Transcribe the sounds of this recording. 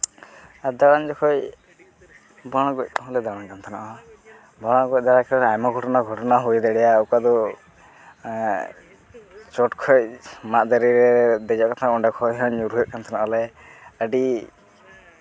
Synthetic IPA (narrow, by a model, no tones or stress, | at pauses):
ad̪aɽand͡ʒɔkʰɔj | bɔɽ̃ɔɡɔc̚ɦlɛd̪aɽaŋkant̪ʰɔna̰ʔɔ | bɔɽ̃ɔɡɔc̚ˀd̪aɽakʰɛɾɾajmaɡʱɔʈɔnaɡʱɔʈɔnaɦujd̪ɛɽɛjaːwkad̪ɔ | t͡ʃɔʈkʰɔjmaʔd̪aɾiɾɛd̪ɛd͡ʒɔʔkat̪ʰaɔɳɖakʰɔjɦɔ̃uɾuɦɛʔ̚kant̪ʰɔnaʔɔlɛ | əɖi